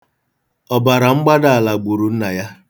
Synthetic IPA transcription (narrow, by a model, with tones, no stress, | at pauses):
ɔ˨ba˨ɾa˨ŋ͡m̩˦ɡ͡ba˦da˦˨a˨la˨ɡ͡bu˨ɾu˨n̩˦na˨ja˦